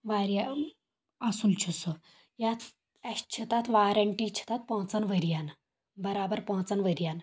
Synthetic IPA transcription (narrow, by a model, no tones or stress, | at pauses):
ʋaɾja | asult͡ɕʰusɔ | jat̪ | ɛɕt͡ʃʰit̪at̪ʋaɾəɳʈiːt͡ɕʰə̥t̪at̪̚pɔ̃t͡sənʋəɾjan | bəɾabəɾpɔ̃t͡sanʋəɾjan